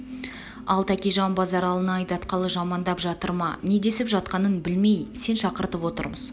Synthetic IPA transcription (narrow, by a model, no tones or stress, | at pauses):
ɑ̰lˠt̪ʰækʲejʒɑmbɑzɑɾɑlˠənɑɑjd̪ɑt̪qɑlˠəʒɑmɑnd̪ɑpʒɑt̪əɾmɑne̞d̪e̞sɪpʒɑt̪̚qɑnənbɪlme̞jse̞nʃɑqəɾt̪əpwo̞t̪ə̰ɾməz